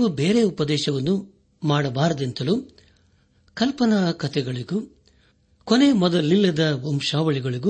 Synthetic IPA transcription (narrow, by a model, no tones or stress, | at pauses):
ʋubeːɾe̞upɐd̪ɛːʃɐʋɐnːu | maːɽɐbaːɾɐd̪ent̪ɐlu | kɐlpɐnɐkɐt̪ʰɛɡɐɭiɡu | kone̞mɔd̪ɐlːilːɐd̪ɐomʃaːʋɐɭiɡɐɭiɡu